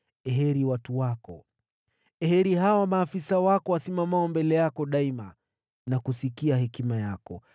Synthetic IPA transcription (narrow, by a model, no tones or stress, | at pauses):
ɛɦɛɾiwatuwakɔ̰ | ɛhɛɾihawamaːfisawakɔwasimamaɔmbɛlɛjakɔɗaima | nakusikiahɛkimajakɔ